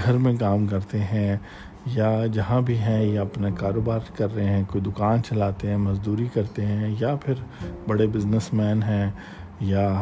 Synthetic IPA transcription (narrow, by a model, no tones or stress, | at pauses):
ɡʱɐɾmẽk̬aːmkɐɾt̪eɦɛ̃ | jad͡ʒɐɦãbʱiɦɛ̃jaɐpnakaːɾoːbaːɾkɐɾːɐɦẽɦɛ̃koːid̪ʊkaːnt͡ʃɐlaːt̪eɦɛ̃ːmɐzd̪uːɾikɐɾt̪eɦɛ̃japʰɪɾbɐɽebɪznəsmɛːnɦɛ̃ː | ja